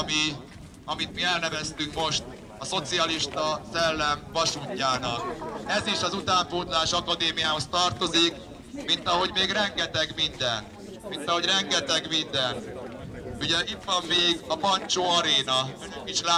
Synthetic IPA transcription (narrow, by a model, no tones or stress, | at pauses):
mi | ɒmit̪miɛlnɛvɛst̪yŋkmo̞ʃt̪ | ɒso̞t̪siɒliʃt̪ɒsɛlːɛɱvɒʃuːcːaːnɒk̚ɛziʃɒzut̪aːɱpoːd̪laːʃɒkɒd̪eːmijaːɦo̞st̪ɒrt̪o̞zik | mint̪ɒɦo̞ɟmeːɡrɛŋɡɛt̪ɛɡmind̪ɛn | mint̪ɒɦo̞ɟrɛŋɡɛt̪ɛɡmind̪ɛn | uɟɛʔit̪ʋɒmːeːɡɒpɒnt͡ʃoːɒɾeːnɒɛkiʃlaː